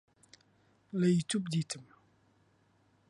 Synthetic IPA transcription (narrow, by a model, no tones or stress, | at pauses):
ləjt͡ɕʰup̚d̪it͡sʰam